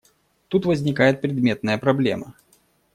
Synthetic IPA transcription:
t̪ut̪vəzʲnʲɪkajɪt̪̚pɾʲɪd̪mʲe̞t̪̚nəjəpɾɐblʲe̞̰mə

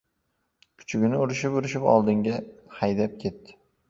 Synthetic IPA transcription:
kʰʊ̥t͡ʃʰʊɡʲɪnɪʊɾɪʃɪpʊɾɪʃɪpɒ̰lˠd̪ɪŋɡʲahajd̪ap̚kʲʰe̞t̪ːɪ̥

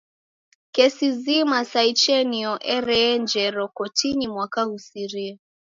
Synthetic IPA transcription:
kɛsizimasait͡ʃɛniɔʔɛɾɛnd͡ʒɛɾɔkɔtinimwakahusiɾia

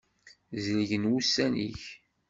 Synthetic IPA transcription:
zliʝənwusːænḭç

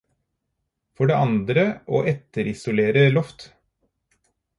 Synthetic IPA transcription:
fɔɖeːʔɑnd̪ɾəʔo̰ːʔɛt̪əɾɪsʊleːɾəlɔft̪

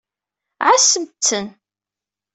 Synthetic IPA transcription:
ʕasəmt͡sːən

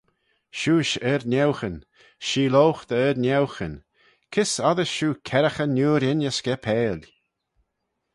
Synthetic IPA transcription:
ʃuːʃɛɾnʲɛwxənʲ | ʃiːlowxd̪əɛɾnʲɛwxən | kʰɪsaðəʃuːkʰɛɾəxənːuːɾɪnəskɛpʰɛːlʲ

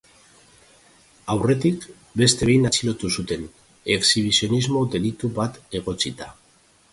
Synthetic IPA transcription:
awre̞t̪ik | be̞st̪e̞βejnat͡silo̞t̪usut̪e̞n | e̞ksiβ̞isio̞nizmo̞d̪e̞lit̪uβat̪e̞ɣ̞o̞t͡sit̪a

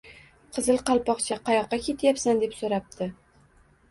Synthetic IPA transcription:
qʰɨzɨlˠqʰɑlˠpɒqt͡ʃʰaqʰɑjɒqːɑkʲe̞t̪ʰjapsand̪e̞psoɾap̚t̪ʰɪ

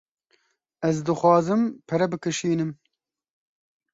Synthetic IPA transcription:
ɛzd̪ɨxʷwɑːzɨmpʰɛɾɛbɨkɨʃiːnɨm

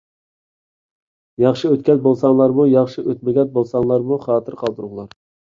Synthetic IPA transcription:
jɑχʃɨøt̪̚kʲɛzbolˠsɑŋlˠɑɾmujɑχʃɨʔøt̪̚mɪɡʲɛt̪̚bolˠsɑŋlˠɑɾmuχɑːt̪ʰɨɾqʰɑlˠd̪ɨɾʊʁlˠɑɾ

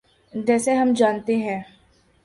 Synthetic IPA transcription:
d͡ʒɛːseɦɐmd͡ʒaːnt̪eɦɛ̃ː

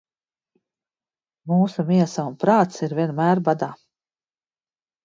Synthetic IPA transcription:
muːsumiɛsaunpɾaːt̪siɾvʲiɛnmæːɾbad̪aː

